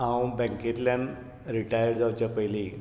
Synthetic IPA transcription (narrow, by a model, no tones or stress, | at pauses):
ɦãwbɛ̃ŋket̪ljãn | ɾiʈajəɾd͡zawt͡ɕjapəjli